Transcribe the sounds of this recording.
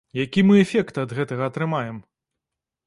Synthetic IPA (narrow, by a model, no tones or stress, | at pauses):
jakʲimɨɛfʲɛkt̪ɐd̪ɣɛt̪ɐɣɐːt̪ɾɨmajɛm